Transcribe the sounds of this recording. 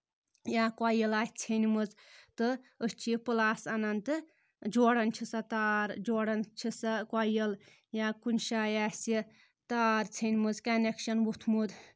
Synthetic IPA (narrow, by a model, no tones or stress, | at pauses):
jãːkwajəlaːtʲt͡sʰenʲmɨzt̪ɨəst͡ʃʰipɨlaːsanant̪ɨ | d͡ʒoːɽɐnt͡ʃʰisat̪aːɾd͡ʒoːɽɐnt͡ʃʰisakwajəl | jaːkunʲʃajasi | t̪aːɾt͡sʰenʲmɨzkɐnekʃɐnwut̪ʰmud̪